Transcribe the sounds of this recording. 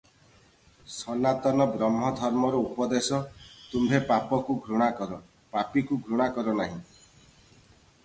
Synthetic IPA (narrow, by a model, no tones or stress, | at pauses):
sɔnat̪ɔnɔbɾɔmɦɔd̪ʱɔɾmɔɾɔupɔd̪esɔt̪umbʱepapɔkuɡʱɾuɽ̃akɔɾɔ | papikuɡʱɾuɽ̃akɔɾɔnaɦĩ